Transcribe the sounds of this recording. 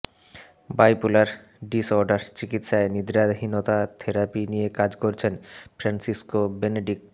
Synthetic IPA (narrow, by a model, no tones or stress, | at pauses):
bajpulaɾ | ɖisoɾɖaɾt͡ɕikit̪ʃaenid̪ɾad̪ɦinot̪at̪ʰeɾapinijekad͡ʑkoɾt͡ɕʰenfɾansiskobeneɖik̚